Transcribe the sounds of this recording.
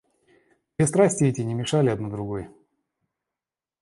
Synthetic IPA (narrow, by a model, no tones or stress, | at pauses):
bʲɪst̪ɾasʲtʲɪɛtʲɪnʲɪmʲɪʂalʲɪɐd̪nod̪ɾʊɡoj